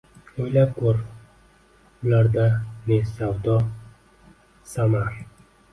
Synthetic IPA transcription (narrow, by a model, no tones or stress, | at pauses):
ojlap̚kʰoɾ | ʊlaɾd̪anesawd̪ɒ | samaɾ